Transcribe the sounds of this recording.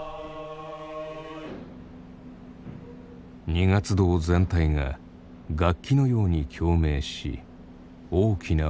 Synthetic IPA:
ɲiŋat͡sɨd̪o̞ːzẽ̞nt̪aiŋa̰ | ɡakʲːino̞jo̞ːɲ̟ikʲʰo̞ːme̞ːɕḭ | oːkʲʰina

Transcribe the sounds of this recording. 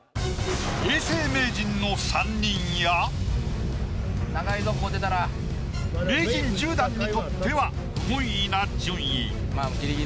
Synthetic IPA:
eːse̞ːme̞ːd͡ʑĩnːo̞sãɲːĩɰja | naɡaizomod̪e̞t̪aɾa | ɾeːɡʲĩɲd͡ʑɨːd̪ãɲːit̪o̞t̪ːe̞βa | mõɰ̃inad͡ʑɯ̃ɰ̃ji | maɡʲiɾiɡʲi

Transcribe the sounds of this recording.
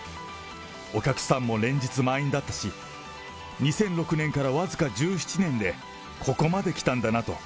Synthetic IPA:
o̞kʲakɯ̟̥sãmːo̞ɾẽ̞ɲ̟d͡ʑit͡sɨmaĩnd̪at̪ːaɕi | ɲ̟isẽ̞nɾo̞kɯ̟nẽ̞ŋkaɾaβazɨkad͡ʑɨːɕi̥t͡ɕinẽ̞nd̪e̞ | kʰo̞ko̞mad̪e̞kʲi̥t̪ãnd̪anat̪o̞̰

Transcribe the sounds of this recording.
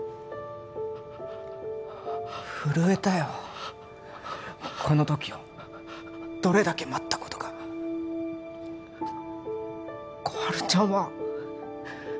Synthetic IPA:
ɸɯ̟ɾɯ̟e̞t̪ajo | kʰo̞no̞t̪o̞kʲio | d̪̥o̞ɾe̞d̪ake̞mat̪ːḁkot̪o̞̥ɡa | ɡ̥oaɾɯ̟t͡ɕãɰ̃βa

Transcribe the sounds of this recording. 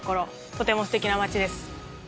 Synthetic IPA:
ko̞ɾo̞ | t̪o̞t̪e̞mo̞sɨ̥t̪e̞kʲinamat͡ɕid̪e̞sɨ̥

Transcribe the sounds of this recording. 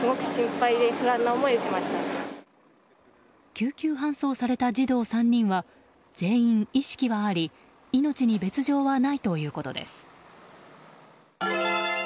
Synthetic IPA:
sɨɡo̞kɯ̟̥ɕĩmpaid̪e̞hɯɾãnːaomo̞iɯt͡ɕimaɕi̥t̪a | kʲɨːkʲɨːɦãɰ̃so̞ːsaɾe̞t̪ad͡ʑid̪o̞ːsãɲ̟ːĩɰ̃βa | d͡z̥e̞ːĩɴiɕi̥kʲiβaːɾʲi | ino̞t͡ɕiɲ̟ibe̞t͡sɨʑo̞ːβanait̪o̞jɯ̟ːko̞t̪o̞̰d̪e̞̰sɨ̥

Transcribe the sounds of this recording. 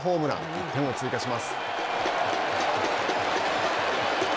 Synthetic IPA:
ɦo̞ːmɯ̟ɾã̰n | t̪ẽ̞ŋo̞t͡sɨikaɕimasɨ̥

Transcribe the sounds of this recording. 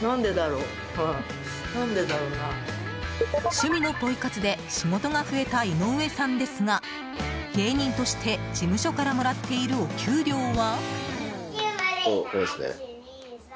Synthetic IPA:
nãnd̪e̞d̪aɾo̞ | ã | nãnd̪e̞d̪aɾona | ɕɨmʲino̞po̞ikat͡sɨd̪e̞ɕimo̞t̪o̞ɡaɸɯ̟e̞t̪aino̞ɯ̟e̞sãnd̪e̞sɨŋa | ɡ̥e̞ːɲ̟ĩnt̪o̞ɕi̥t̪ʰe̞d͡ʑimɯ̟ɕo̞kaɾamo̞ɾat̪ːe̞iɾɯ̟o̞kʲʰɨːɾʲo̞ːβa | oosnḛ

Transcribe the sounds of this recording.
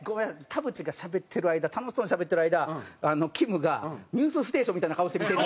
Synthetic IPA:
ɡoat̪ʰabɯ̟t͡ɕiɡaɕabe̞t̪ʰːe̞ɾɯ̟aid̪at̪ʰano̞ɕi̥t̪onɕabe̞t̪ːe̞ɾɯaid̪aano̞kʲʰimɯ̟ɡaɲ̟ʲɨːsɨsɨ̥t̪e̞ːɕõmʲit̪ainakaoɕi̥t̪emʲit̪eɾ

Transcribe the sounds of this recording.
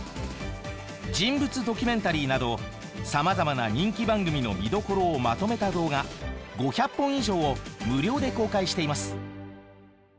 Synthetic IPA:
d͡ʑĩmbɯ̟t͡sɨd̪o̞kʲymẽ̞nt̪aɾʲiːnad̪o̞ | samazamanaɲ̟ĩŋkʲibãŋɡɯ̟mʲino̞̰mʲid̪o̞ko̞ɾo̞ːmat̪o̞me̞t̪ad̪o̞ːɡaɡo̞çapːõ̞iʑo̞ːmɯ̟ɾʲo̞ːd̪e̞ko̞ːkaiɕi̥t̪e̞imasɨ̥

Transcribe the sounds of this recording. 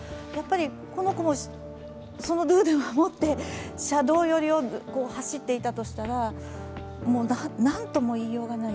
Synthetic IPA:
japːaɾʲi | ko̞no̞ko̞mo | so̞no̞d̪ɯ̟ːd̪ẽɰmamo̞t̪ːe̞ɕad̪o̞ːjo̞ɾʲio̞ko̞ːhaɕit̪ːe̞it̪at̪o̞ɕi̥t̪aɾa | mo̞ːnanãnt̪o̞mo̞iːjo̞ːɡana

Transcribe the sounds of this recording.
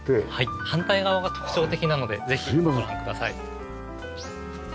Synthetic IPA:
ehaihãnt̪aiɡaβaɡat̪o̞̥kɯ̟̥ɕo̞ːt̪e̞kʲinano̞d̪e̞d͡ze̞çioɾãŋkɯd̪asaḭ

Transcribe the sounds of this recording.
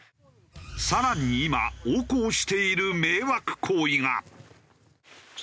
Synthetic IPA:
saɾaɲ̟iːma̰oːkoːɕi̥t̪e̞iɾɯ̟me̞ːβakɯ̟̥kʰoːiŋa̰

